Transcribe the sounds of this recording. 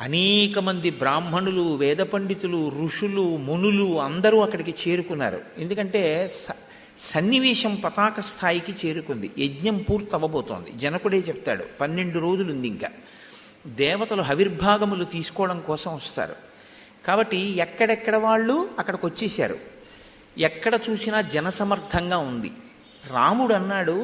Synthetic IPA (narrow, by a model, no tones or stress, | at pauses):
ɐ̰neːkɐmɐnd̪ibɾaːm̤ɐɳuluʋɛːd̪ɐpɐɳɖit̪uluɾuʂulumunuluɐnd̪ɐɾuːɐkːɐɽikit͡ʃe̞ːɾukunːa̰ːɾṵe̞nd̪ukɐɳʈe̞ːs | sɐnːiʋiːʂɐmpɐt̪aːkɐst̪ʰaːjikit͡ʃe̞ːɾukund̪iedɲɐmpuːɾt̪ɐʋːɐboːt̪o̰ːnd̪ḭd͡ʒɐnɐkuɽe̞ːt͡ʃɛp̚t̪a̰ːɽṵpɐnːe̞ɳɖuɾo̞ːd͡ʒulund̪iŋka̰ː | d̪ɛːʋɐt̪ɐloɦɐʋiɾbʱaːɡɐmulut̪iːsu̥kɔːɽɐmkɔːsɐmʋɐst̪a̰ːɾṵ | kaːbɐʈːiɛkːɐɽɛkːɐɽɐʋaːɭːuɐkːɐɽɐkot͡ʃːiːsa̰ːɾṵ | ɛkːɐɽɐt͡ʃuːsinɐd͡ʒɛnɐsɐmɐɾt̪ʰɐŋɡaːund̪ḭ | ɾaːmuɽɐnːaːɽu